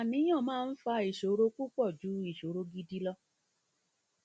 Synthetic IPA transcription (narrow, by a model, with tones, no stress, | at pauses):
a˨nĩ˨˦j̃ã˦˨mãː˦˧n̩˦fa˧i˨ʃo˨ɾo˧ku˦k͡pɔ˦˨d͡ʒu˨˦i˨ʃo˨ɾo˧ɡi˧di˧lɔ˧